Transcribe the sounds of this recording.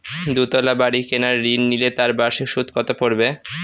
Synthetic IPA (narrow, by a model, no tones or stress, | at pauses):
d̪ut̪ɔlabaɽikenaɾːinːilet̪aɾbaʃiʃud̪ʱkɔt̪apoɾbe